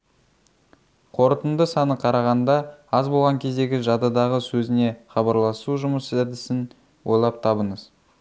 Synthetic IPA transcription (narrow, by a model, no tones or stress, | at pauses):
qʰo̞ɾət̪ənd̪əsɑnəqʰɑɾɑʁɑnd̪ɑɑzbo̞lˠʁɑŋkʲʰe̞zd̪e̞ɡʲɪʒɑd̪ɑd̪ɑʁəsɵzɪne̞χɑbɑɾlˠɑsuʒʊməszæd̪ɪsɪn | wʔo̞̰jlˠɑp̚t̪ʰɑbəɴəz̥